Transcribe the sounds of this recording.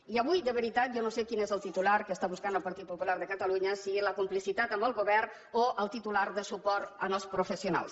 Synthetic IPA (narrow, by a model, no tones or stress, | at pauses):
iəβujd̪əβəɾit̪at̪̚ʒɔnosekinezəlˠt̪it̪ulaɾkəst̪aβuskanəlˠpəɾt̪it̪̚pupulaɾðəkət̪əluɲəsiɣiləkumplisit̪at̪əmbəlˠɣuβɛrn | oʔəlˠt̪it̪ulaɾðəsupɔɾt̪ənɔspɾufəsijuna̰lˠs